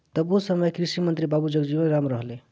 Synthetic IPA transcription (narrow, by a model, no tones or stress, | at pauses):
t̪ʌbusʌmʌjkɾisimənt̪ɾibabud͡ʒʌɡd͡ʒibənɾamɾʌɦle